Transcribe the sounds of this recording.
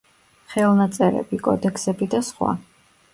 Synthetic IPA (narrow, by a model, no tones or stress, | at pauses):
χɛlˠnat̪sʼɛɾɛ̰bikʼɔ̰d̪ɛkʰsɛbid̪asχwa̰